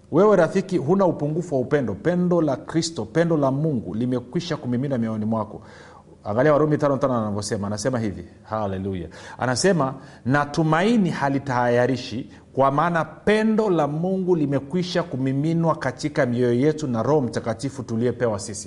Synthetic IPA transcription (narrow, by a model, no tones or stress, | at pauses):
wɛwɛɾafikiɦunaupuŋɡufuwaupɛndɔpɛndɔlakɾistɔpɛndɔlamuŋɡṵlimɛkwiʃakumiminwamiɔɔnimwakɔ̰ | a̰ŋɡaliawaɾɔmitanɔtanɔanavjɔsɛmaːnasɛmaɦivi | halɛluja̰a̰nasɛma | natumainihalitahajaɾiʃi | kwamaːnapɛndɔlamuŋɡulimɛkwiʃakumiminwakatikamiɔjɔjɛtunaɾɔhɔmitakatifutuliɔpɛwasisi̥